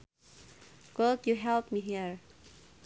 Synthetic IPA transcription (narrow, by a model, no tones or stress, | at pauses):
ɡ̥odjuɦɛlˠpmiɦiɹ